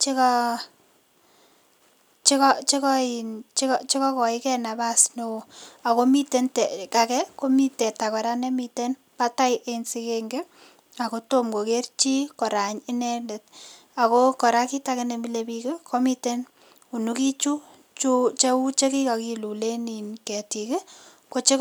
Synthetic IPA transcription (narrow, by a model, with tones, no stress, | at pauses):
t͡ʃe˦kɔ | t͡ʃi˦kɔt͡ʃe˦kɔ˦i˨nt͡ʃkt͡ʃe˦kɔ˦kɔ˨ɪ˦kɛ˦na˨ba˦sno˦o˨a˨ko˦mi˦te˦ntɛ˨ka˨kɛ˦ko˦mi˦tɛ˨ta˨kɔ˨ɾa˦ne˦mi˦te˦n | pa˦ta˦jʔe˦nsi˧keŋɡe˦ | a˨ko˦to˦mko˨ke˦rt͡ʃi˦kɔ˨ɾa˨ɲɪ˦nɛ˦nde˨t̚ | a˨ko˦kɔ˨ɾa˦ki˦ta˦ke˦nɛ˨mi˦lebi˧ke˦kʰo˦mi˦te˦n | u˨nu˦ki˦t͡ʃu˦ | t͡ʃut͡ʃe˦u˦t͡ʃe˦ki˦ka˨ki˨lu˨le˦ni˨nke˨ti˨kɪ˦ | ko˦t͡ʃe˦